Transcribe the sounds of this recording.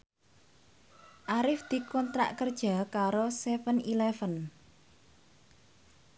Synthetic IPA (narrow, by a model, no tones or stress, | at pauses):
ʔaɾɪfd̪̥i̤kɔnt̪ɾa̰ʔkərd̥ʒ̥a̤kaɾosɛfənilɛfən